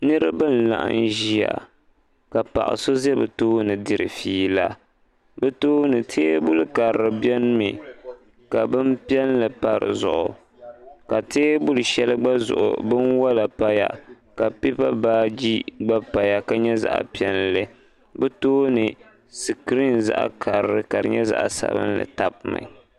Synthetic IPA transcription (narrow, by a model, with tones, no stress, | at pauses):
nɨ˦ɾɨ̰˦bɨ˦n̩la̰˨ʔa̰˦nʒi˦a̰˨ | ka˨pa̰˨ʔɪ̰˨so˦zɛ˦bɨ˨toː˦nɨ˨dɨ˦ɾɨ̰˨fiː˦la˦ | bɨ˦toː˦nɨ˨tʰeː˦bʊ˦lɨ˦ka˨ɾɨ˨bjɛ˦n˦mi˨ | ka˨bɨ˦m˦pi˦ɛ˦nlɨ˨pa˨ɾɨ̰˨zʊ̰˨ʔʊ̰˨ | ka˨teː˦bʊ˦lɨ˨ʃɛ˦lɨ˦ɡ͡ba˦zʊ̰˨ʔʊ̰˨bɨ˦nwa˦la˨pa˦ja̰˦ | ka˨pi˦pa˦baː˦d͡ʒi˦ɡ͡ba˦pa˨ja˦ka˦ɲɛ˦za̰˦˨ʔa̰˨pi˦ɛ˦nlɨ˦ | bɛ˦toː˦nɨ˨ | sɨ˨kɨ˨˦ɾi˦˨nza̰˦ʔa̰˦kʰa˨ɾɾɨ˦ka˨ɾɨ̰˨ɲɛ˦za̰˨ʔsa̰˦bɨ̰˦n˦lɨ̰˨ta˦˨bma̰˨